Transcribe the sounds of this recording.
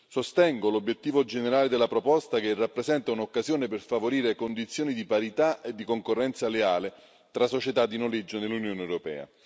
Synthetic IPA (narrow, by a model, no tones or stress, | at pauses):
sost̪ɛŋɡolobjet̪ːiːvod͡ʒeneɾaːled̪elːapɾopɔst̪akerːapːɾezɛnt̪aunokːazjoːneperfavoɾiːɾekond̪it̪sːjoːnid̪ipaɾit̪aʔed̪ːikoŋkorːɛnt̪saleaːle | t̪ɾasːot͡ʃet̪ad̪ːinoled͡ʒːonelːunjoːnɛwɾopɛ̰ːa̰